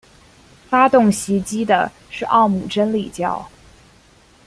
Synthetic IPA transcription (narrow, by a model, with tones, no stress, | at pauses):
fa˥t̪ʊ˥˩ŋɕi˧˥t͡ɕi˥d̪ə̰˨ | ʂɻ̩˥˧ʔɑ̰˥˩ʊmu˨˩ʈ͡ʂə˥nli˨˩t͡ɕjɑ̰˥˩ʊ